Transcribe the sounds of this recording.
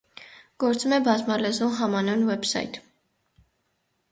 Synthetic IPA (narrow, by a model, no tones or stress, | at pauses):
ɡ̥ɔɾt͡sumɛbɑzmɑlɛzumɦɑmɑnunwɛbsɑ̰jt̪ʰ